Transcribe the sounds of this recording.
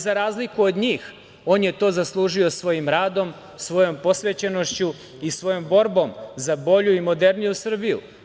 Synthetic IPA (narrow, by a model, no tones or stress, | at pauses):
zaɾaːzlikuod̪ɲiːx | o̞ːnjet̪o̞ːzaslˠuːʒio̞sʋo̞jimɾaːd̪o̞m | sʋo̞jo̞mpo̞sʋet͡ɕeno̞ʃt͡ɕu | isʋo̞jo̞mbo̞ɾbo̞mzabo̞ʎuimo̞d̪e̞ɾnijusr̩bijṵ